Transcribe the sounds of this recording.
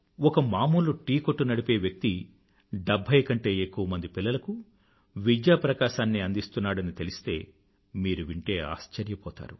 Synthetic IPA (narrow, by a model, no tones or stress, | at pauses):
ɔkɐmaːmuːlːuʈiːko̞ʈːunɐɽipe̞ːʋjɐk̚t̪i | ɖɐbʱːɐjkɐɳʈe̞ːekːuʋɐmɐnd̪ipilːɐlɐku | ʋid͡ʒjaːpɾɐkaːʃaːnːiɐnd̪ist̪unːaːɽɐnit̪e̞lisi̥t̪e̞ː | miːɾuʋiɳʈe̞ːa̰ːst͡ʃɐɾjɐpɔːt̪a̰ːɾu